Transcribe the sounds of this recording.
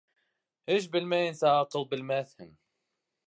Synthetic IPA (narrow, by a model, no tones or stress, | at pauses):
hiʃ̬bəlmæjənsaʕɑqːəlˤbəlmæθhəm